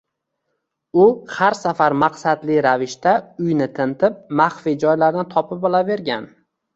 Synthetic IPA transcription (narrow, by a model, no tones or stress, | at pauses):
ʊhaɾsafaɾmaqsad̪lɪɾavɪʃt̪aʊjnɪt̪ʰɪnt̪ʰɪp̚maχfid͡ʒɒjlaɾd̪ant̪ʰɒpɪpɒlˠave̞ɾɡʲan